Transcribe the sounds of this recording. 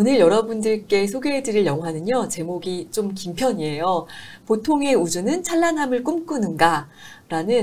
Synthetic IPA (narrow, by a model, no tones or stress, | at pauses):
onɯɭjʌɾʌbundɯɭk͈e̞sʰoɡeedɯɾiɭjʌŋɦanɯɲʌt͡ɕe̞moɡit͡ɕomkimpʰjʌɲie̞jopotʰoŋe̞ud͡ʑunɯnt͡ɕʰaɭːanɦamɯɭk͈umk͈unɯnɡaɾanɯn